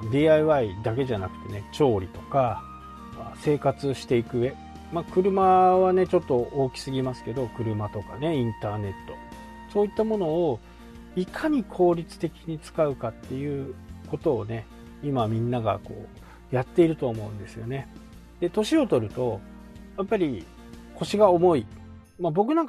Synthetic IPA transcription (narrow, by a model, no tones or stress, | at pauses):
d̪ʲiːaiβaid̪ak̬e̞ʑanakɯ̟̥t̪e̞ne̞t͡ɕo̞ːɾʲit̪o̞ka | ase̞ːkat͡sɨɕi̥t̪e̞ikɯ̟e̞ | makɯ̟ɾɯ̟maβane̞t͡ɕo̞t̪ːo̞ʔoːkʲi̥sɨɡʲimasɨ̥ke̞d̪o̞kɯ̟ɾɯ̟mat̪o̞kane̞ĩnt̪aːne̞t̪ːo̞̰ | so̞ːit̪ːamo̞no̞ː | ikʰaɲ̟ikʰo̞ːɾʲit͡sɨ̥t̪e̞kʲiɲ̟it͡sɨ̥kaɯ̟kat̪ːe̞jɯ̟ːko̞t̪o̞ːne̞ | imamʲĩnːaɡa̰ko̞̰ː | jat̪ːe̞iɾɯ̟t̪oːmo̞ɯ̟̃nd̪e̞sɨjo̞̰ne̞ | d̪̥e̞t̪o̞ɕio̞t̪o̞ɾɯ̟t̪o̞ | japːaɾʲi | kʰo̞ɕiɡao̞mo̞i | mabo̞k̬ɯ̟nãŋka